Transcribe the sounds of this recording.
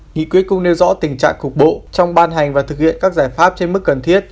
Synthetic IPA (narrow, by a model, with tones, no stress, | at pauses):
ŋḭ˧˨kwət̚kʊ˧ŋ͡mne˧wzɔ̰˧˥t̪ï˨˩ŋ̟t͡ɕa̰ː˧˨ŋkʊ˨˩k͡p̚ɓo̰˧˨t͡ɕɔ˧wŋ͡mɓaː˧nɦa˨˩jŋ̟vaː˨˩t̪ʰɨ˨˩k̚hḭ˧˨ənkaː˦˥k̚zaː˧˩jfaː˦˥p̚t͡ɕe˧nmɨ˦˥kːə˨˩nt̪ʰi˦˥ətt̚